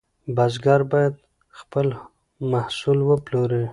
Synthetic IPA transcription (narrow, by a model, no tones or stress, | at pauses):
bazɡɑɾbɑjad̪̚ | xpəl | mahsulwəploɾi